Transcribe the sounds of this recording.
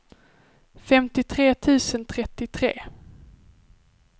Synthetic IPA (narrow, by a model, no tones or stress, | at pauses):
fɛmt̪ɪt̪ʰɾeːt̪ʰʉ̟ːsənt̪ʰɾɛt̪ːɪt̪ʰɾḛː